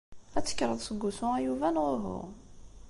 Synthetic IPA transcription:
æt͡sːə̥kːɾˤəðˤsəɡːusʊæjuvænʁʊɦʊ̰

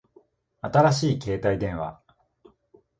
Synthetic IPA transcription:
at̪aɾaɕiːke̞ːt̪aid̪ẽ̞ɰ̃βa̰

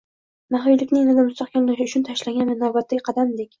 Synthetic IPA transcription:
naɦojlɪkʲnɪŋnad̪amʊst̪ɒqkʲanlaʃɪʊt͡ʃʰʊnt̪ʰaʃlaŋʲɡʲanmɪnːawbat̪ʰːaɡʲɪqʰɑd̪amd̪ekʲ

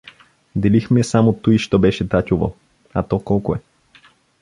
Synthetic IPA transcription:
d̪ɛlixmɛsamot̪uiʃt̪ɔbɛʃɛt̪atʲovo̰ | at̪ɔkɔlˠkʊɛ

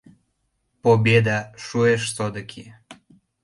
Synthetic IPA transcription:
pobʲed̪aʃueʃsod̪əkʲʰi

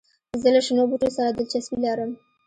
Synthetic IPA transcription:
zəlaʃənobuʈosaɾad̪ɪlt͡ʃaswilaɾəm

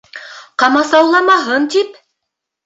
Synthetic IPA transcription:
qɑmɑsɑwlˠɑmɑɦɤnt̪ip

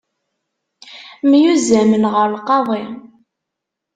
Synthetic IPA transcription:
mjuzæmənʁəɾlqɑðˤi

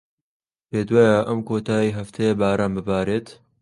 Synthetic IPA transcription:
peːd̪waːjaʔɐmkoːt̪ʰaːjiɦɐft̪ʰejebaːɾaːmbɨbaːɾeːt̪

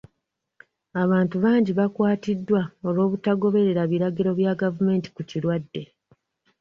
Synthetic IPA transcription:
aβaːntuβaːɲɟiβakwaːtidːwaolwo̞ːβutaɡo̞βe̞ɾe̞ɾaβiɾaɡiɾo̞βjaːɡavume̞ːnti̥kuciɾwadːe̞

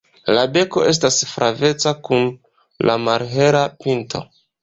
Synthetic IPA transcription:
labe̞ko̞ʔe̞s̬tasfɾʔave̞t͡sakun | lʔamaɾɦe̞ɾapinto̞̰

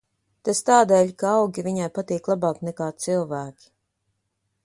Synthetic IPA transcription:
t̪ast̪aːd̪eːʎkaɑwɡʲiviɲajpat̪iːklˠabaːknɛkaːt̪silˠvæːkʲi̥

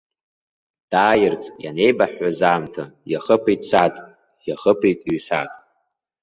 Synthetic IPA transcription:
d̥aːjɪrt͡sʼja̰ne̞jbaħːazaːmtʰajaχəpʰitʼsatʼ | jaχəpʰijtʼɥsa̰tʼ

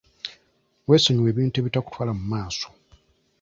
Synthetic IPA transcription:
we̞ːsoɲuwe̞ːβiːnte̞βitaku̥twaːlamumaːso̞̥

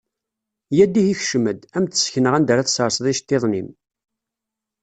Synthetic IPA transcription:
jæd̪ːiçiçʃməd̪æmt̪ə̥sçnəʁænd̪əɾæθsəɾˤsˤðˤiʃt̪ːeðˤnim

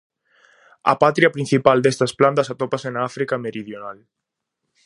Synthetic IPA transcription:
ɐ̰pat̪ɾiɐpɾĩn̟θipald̪est̪ɐsplant̪ɐsat̪opasenaafɾikɐmeɾiðjonal

